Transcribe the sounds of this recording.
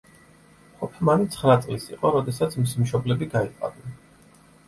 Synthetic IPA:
qʼɔpʰɛmanit̪sʰχɾat̪sʼlisḭqʼɔɾɔd̪ɛsat̪sʰmisimʃɔblɛbiɡaia̰nɛn

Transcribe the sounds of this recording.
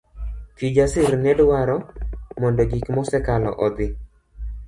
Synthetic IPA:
tid͡ʒasɪrnɛdwaɾɔmɔndɔɡikmɔsɛkalɔ̰ʔɔd̪ɪ

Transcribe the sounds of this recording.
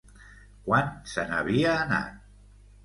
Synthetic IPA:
kwansənə̰βiəːna̰t̪̚

